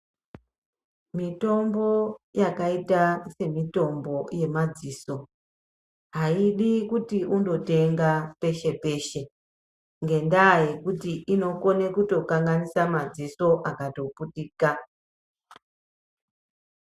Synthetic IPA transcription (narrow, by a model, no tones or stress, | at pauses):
mito̞mbo̞jakaitase̞mito̞mbo̞je̞mad͡ziːso̞ | ɦaiɗikutiundo̞te̞ŋɡape̞ʃe̞pe̞ʃe̞ | ŋɡe̞ndaje̞kutiʔino̞ko̞ne̞kuto̞kaŋɡanisamad͡ziso̞ʔakato̞puɗiːka